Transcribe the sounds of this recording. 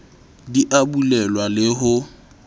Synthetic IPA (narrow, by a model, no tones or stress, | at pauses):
diʔabulɛlwalɪɦʊ